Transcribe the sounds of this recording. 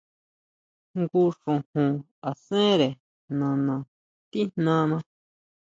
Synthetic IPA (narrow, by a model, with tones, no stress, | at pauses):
ŋɡu˧ʂũ˨hũ˨ | a˨sẽ˦ɾe˨ | nã˨nã˨ | t̪i˦n̥nã˦nã˧